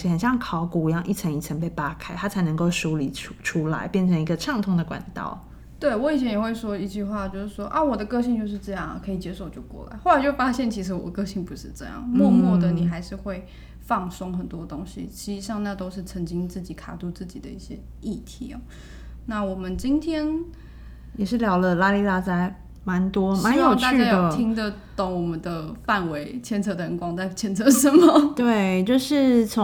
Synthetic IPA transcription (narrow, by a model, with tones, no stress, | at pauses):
i˧˥xə˨˩nɕjɑ˥˩ŋkʰɑ˨˧˦ʊku˨˩˧jɑ˥˧ŋʔi˥˩t͡sʰə˧˥ŋi˨˩t͡sʰə˧˥npe˥˩ɪpa˦˥kʰa˥ɪt̪ʰa˥t͡sʰa˧˥ɪnə˧˥ŋko˥˩ʊʂu˧˥li˨˩˥ʈ͡ʂʰu˥la̰˧˦ɪpjɛ˥˩nʈ͡ʂʰə˧˥ŋi˧˥ɡə˧ʈ͡ʂʰɑ˥˧ŋt̪ʰʊ˧˥ŋd̪ə˨kwa̰˨˩nt̪ɑ̰˥˩ʊ | t̪we˥˩ɪwɔ˧˥i˨˩t͡ɕʰjɛ˧˥njɛ˨˩xwe˥˩ɪʂwɔ˥i˧˥t͡ɕy˥˧xwa˥˧t͡ɕjo˥˧ʊʂɻ̩˥˩ʂwɔ˥ʔa˥˩wɔ˨˩d̪ə˦kɤ˥˧ɕi˥˧ŋt͡ɕjo˥˧ʊʂ̬ɻ̩˥˧ʈ͡ʂɤ˥˧jɑ˥˩ŋ̰˩kʰɤ˧˥i˨˩t͡ɕjɛ˥ʂo˥˩ʊwt͡ɕjo˥˧˩kwɔ̰˥˩la̰˧˥ɪxo˥˩a˧ɪt͡ɕo˥˩fa˥ɕjɛ˥˩nt͡ɕʰi˧˥ʂ̬ɻ̩˧˥wɔ˨˩kɤ˥˧ɕi˥˩ŋpu˧˦ʂɻ̩˥˧ʈ͡ʂɤ̰˥˧jɑ̰˥˩ŋmwɔ˥˧mwɔ˥˩d̪ə˨˩ni˨˩xa˧˥ɪʂɻ̩˥˧xwe˥˧ɪ | fɑ˥˩ŋsʊ˥ŋxə˨˩nt̪wɔ˥t̪ʊ˥ŋɕḭ˦t͡ɕʰi˧˥ʂɻ̩˧˩ʂɑ˥˧ŋna˥˧t̪o˥ʊʂɻ̩˥˩t͡sʰə˧˥ŋt͡ɕi˥ŋt͡sɹ̩˥˩t͡ɕi˨˥kʰa̰˨˩t̪u˥˧t͡sɹ̩˥˩t͡ɕi˨˩d̪ə˦i˥˩ɕjɛ˥ | i˥˩t̪ʰi˧˥ɐ̰˨˦ | na˥˩wɔ˨˩mə˦nt͡ɕi˥nt̪ʰjɛ˥n | jɛ˨˩ʂɻ̩˥˩ljɑ˧˥ʊlə˧la˥li˥˧la˥˧t͡sa˥ɪ | ma˧˦nt̪wɔ˥ma˧˦njo˨˩t͡ɕt̪a˥˧y˥t͡ɕa˩˥jd̪oə˨ʊt̪ʰi˥ŋd̪ə˨t̪ʊ˨˥˩ŋwɔ˨˩mə˨˦nd̪ə˧fa˥˩nwe˧˥ɪt͡ɕʰjɛ˥nt͡sʰɤ˧˥t̪ʰə˧˥ŋkwɑ˥ŋt͡sa˥˩ɪt͡ɕʰjɛ˥nt͡sʰɤ˧˥ʂə˧˥mə˦t̪we˥˩ɪt͡ɕjo˥˧ʊʂɻ̩˥˩t͡sʰo˧˦